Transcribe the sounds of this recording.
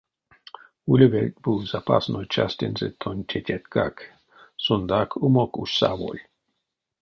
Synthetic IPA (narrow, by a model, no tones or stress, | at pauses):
ulʲevet̪buz̥apa̰snojt͡ʃast̪ʲenzet̪ʰonʲtʰʲetʲɛt̪kak | sond̪akʰumokuʃsa̰ʋo̰lʲ